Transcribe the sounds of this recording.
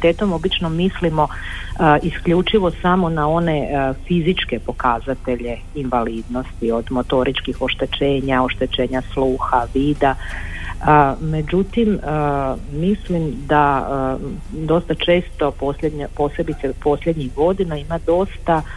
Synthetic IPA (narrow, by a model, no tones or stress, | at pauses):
t̪eːt̪o̞mobit͡ʃnomislimo̞ | iskʎut͡ʃiʋo̞samo̞nao̞ne̞fizit͡ʃke̞po̞kazat̪e̞ʎe̞ | inʋaliːd̪no̞st̪io̞d̪mo̞t̪o̞ɾit͡ʃkixo̞ʃt̪e̞t͡ʃeːɲao̞ʃt̪e̞t͡ʃe̞ːɲasluːxaʋiːd̪a | əme̞d͡ʑut̪imə | mislimd̪a | d̪o̞st̪at͡ʃe̞ːst̪o̞po̞sʎed̪ɲapo̞se̞bit̪sepo̞sʎed̪ɲiɣɡo̞d̪inaimad̪o̞st̪a